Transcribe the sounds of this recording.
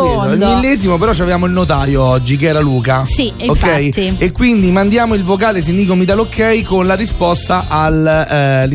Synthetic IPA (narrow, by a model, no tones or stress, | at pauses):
oilmilːɛːzimopeɾɔt͡ʃːavevaːmoilnot̪̬aːjoɔd͡ʒːik̬eɛːɾaluːkasiokːɛjekːwind̪imand̪jaːmoilvok̬aːles̬ind̪ikomit̪alokʰːɛjkonlaɾispɔst̪aʔal